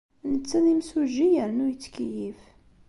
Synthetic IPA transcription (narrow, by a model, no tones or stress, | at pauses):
nət͡sːæðimsuʒijəɾnujət͡sːkijif